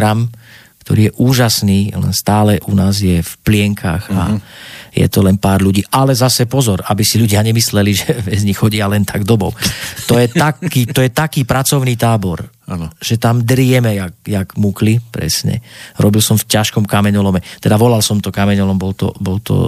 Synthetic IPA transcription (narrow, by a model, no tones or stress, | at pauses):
ɾam | kt̪ɔɾiːjɛʔuːʒasniːlɛ̰nst̪aːlɛʔunaːzjɛfplɪɛŋkʰa̰xa̰jɛ̰t̪ɔlɛnpaːɾʎuɟiːʔalɛzasɛpɔzɔɾabisiʎuɟɪaɲɛmislɛliʒɛbɛzɲixxɔɟialɛnt̪ʰaɡd̪ɔbɔʊt̪ɔjɛt̪akiːt̪ɔjɛt̪akiːpɾat͡sɔʊniːt̪aːbɔɾ | ʒ̥ɛt̪amd̪ɾɪɛmɛjak̚jaɡmuklipɾɛ̰sɲɛ̰ɾɔbilsɔmfcaʃkɔmkamɛɲɔlɔmɛt̪ɛd̪aʋɔlalsɔmt̪ɔkamɛɲɔlɔmbɔlt̪ɔ̰bɔlt̪ɔ̰